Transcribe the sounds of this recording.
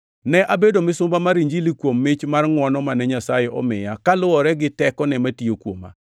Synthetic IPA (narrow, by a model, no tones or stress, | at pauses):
nɛʔabedomɪsʊmbamaɾiɲd͡ʒilikwomːɪt͡ʃmarŋwɔnɔmanɛɲasajɛʔɔ̰mɪ̰jakalʊwɔɾɛɡɪtɛkɔnɛmatiokwoma̰